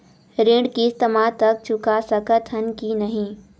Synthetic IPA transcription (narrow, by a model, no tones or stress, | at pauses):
ɾẽɖkiɪst̪əmat̪ɐk̚t͡ʃʊkasəkət̪ʰənkinɐɦĩː